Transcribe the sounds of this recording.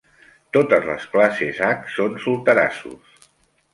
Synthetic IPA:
t̪ot̪əzləsklasezaksonsulˠt̪əɾa̰sṵs

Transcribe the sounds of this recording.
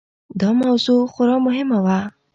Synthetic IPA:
d̪ɔmawzuxʊɾɔmʊɦɪmawa

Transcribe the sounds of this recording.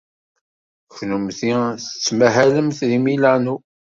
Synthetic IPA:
çnumθiθət͡sːmæɦæləmθðimilanu

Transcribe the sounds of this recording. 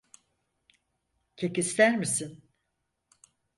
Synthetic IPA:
cʰekislʲæɾmisin

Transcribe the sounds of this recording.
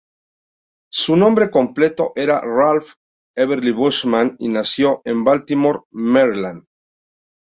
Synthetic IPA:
sunõ̞mbɾe̞ko̞mple̞t̪o̞ʔe̞ɾa̰ralf | eβeɾliβuʃmãninasjo̞ʔe̞mbalt̪imoɾmeɾiland̪

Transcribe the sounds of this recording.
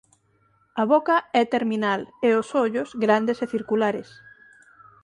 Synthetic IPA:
ɐβokɐɛt̪eɾminaleosoʎosɡɾand̪eseθiɾkulaɾes

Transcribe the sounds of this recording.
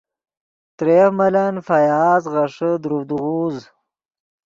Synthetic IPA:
t̪ɾemɐlanfajaːzʁɐʂəd̪ɾud̪ɣuːz

